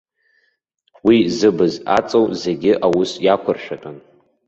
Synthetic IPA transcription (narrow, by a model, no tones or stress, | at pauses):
wizɨbɨza̰t͡sʼowze̞ɡʲɪʔawʊsjakʷʰʊrʃᶣatʼan